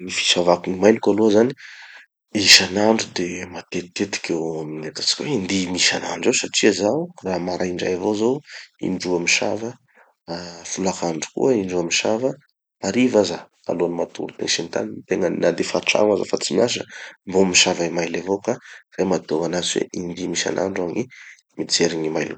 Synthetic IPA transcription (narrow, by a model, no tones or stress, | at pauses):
nifi̥ʃavakunimajlikaluəzani | iʃanaɳɖ͡ʐud̪emat̪et̪et̪i̥kʲewaminet̪ḁt͡si̥kʲwend̪imiʃanaɳɖ͡ʐowsaʈ͡ʂiəzaraːmaɾʔaiɳɖ͡ʐa̰javozowḭɳɖ͡ʐuamiʃa̰və | fulakaɳɖ͡ʐu̥kṵəiɳɖ͡ʐuamiʃavə | aɾivazə | a̰loanimat̪ṵɾut̪ḛŋʃint̪a̰nit̪eŋənad̪efaʈ͡ʂa̰ŋwaza̰fat͡simiaʃ̬ə̰mbomiʃavaimajlavokaremat̪oanaziwḛʔind̪imiʃa̰nʔa̰ɳɖ͡ʐaɲi | mit͡seɾiɲimajlu